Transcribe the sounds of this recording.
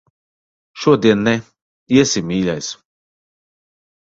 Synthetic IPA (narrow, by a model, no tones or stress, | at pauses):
ʃuɔd̪iɛnːɛ | iɛsimiːlʲajs